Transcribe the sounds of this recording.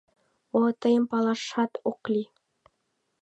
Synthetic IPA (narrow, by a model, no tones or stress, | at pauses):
ot̪ɤ̆jɤ̆mpɑlˠɑʃɑt̪oqlʲi